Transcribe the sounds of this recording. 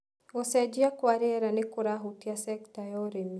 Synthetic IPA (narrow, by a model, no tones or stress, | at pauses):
ɔsɛd͡ʒiakwaɾiɛɾanɪkuɾaɦutiasɛktajɔɾemi